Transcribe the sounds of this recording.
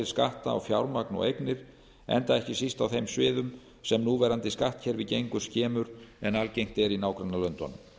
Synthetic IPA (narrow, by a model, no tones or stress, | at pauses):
ɪɾska̰ht̪a̰ːwfjawɾmaknɔ̰ejknɪɾ̥ | ɛ̰nt̪aɛhcɪsist̪awθejmsvɪːðʏm | sɛmnuːvɛɾant̪ɪskaht̪cʰɛːɾvɪðcejŋkʏ̥scɛːmʏɾɛnalcejŋ̥t̪ɛɾinaːwkɾanːalœnt̪ɔ̰nʏm